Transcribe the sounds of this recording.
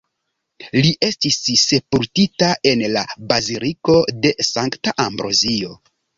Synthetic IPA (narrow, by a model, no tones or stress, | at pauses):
liʔe̞stisse̞puɾtitae̞nlabaziliko̞de̞saŋktaʔambɾo̞̰zio̞